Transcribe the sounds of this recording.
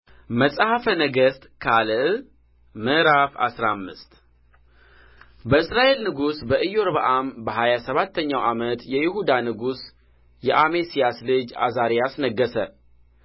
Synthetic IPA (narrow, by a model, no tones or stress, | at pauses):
məsʼhafənəɡəst̪kʰalʔ | mɨʔɾafa̰sɾamːɨst̪ | bəɨsɾaʔe̞lnɨɡusbəʔɨjoɾbaʔambəɦajasəβat̪ʰːəɲːawʔamət̪jɛjɪhud̪anɨɡus | jɛʔamesijaslɨd͡ʒa̰zaɾijasnəɡːəsə